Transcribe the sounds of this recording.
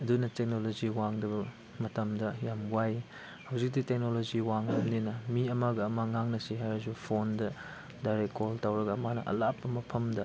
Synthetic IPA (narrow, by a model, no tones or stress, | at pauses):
ɐdunɐtek̚noloziwaŋdɐbɐ | mɐtɐmdɐjamɡwaj | hɐwzik̚titek̚noloziwaŋdɐmninɐmiɐmaɡɐːmaŋaŋnɐsiɦajɾɐzupʰondɐ | dajɾekkoltawɾɐɡɐːmanɐ̰ʔɐ̰lapːɐmɐpʰɐmdɐ